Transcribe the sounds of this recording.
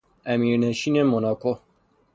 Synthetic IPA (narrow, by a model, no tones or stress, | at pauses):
æmiɾnəʃinemonako